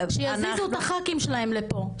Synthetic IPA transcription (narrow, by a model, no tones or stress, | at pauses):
ʃejazizut̪aχakimʃelahemlepo̞